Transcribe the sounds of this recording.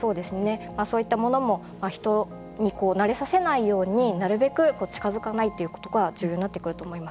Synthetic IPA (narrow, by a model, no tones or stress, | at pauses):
so̞ːd̪e̞sɨne̞maːso̞ːit̪ːamo̞no̞mo̞ | maçi̥t̪o̞ | ɲ̟iko̞ːnaɾe̞sase̞naijo̞ːɲ̟inaɾɯ̟be̞kɯ̟ko̞ːt͡ɕi̥kazɨkanait̪ːe̞jɯ̟ko̞t̪o̞ɡad͡ʑɨːjoɲinat̪ːekɯ̟ɾɯt̪o̞ːmo̞imas